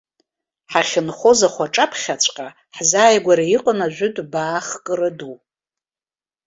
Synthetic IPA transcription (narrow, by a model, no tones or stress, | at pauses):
ħaχʲɪnχʷozaχʷaʈ͡ʂʼapʰχʲat͡ɕʷʰʼqʼa | ħzaːjɡʷaɾaiqʼənaʒᶣʷʏdbaːχkʼɨrɨdu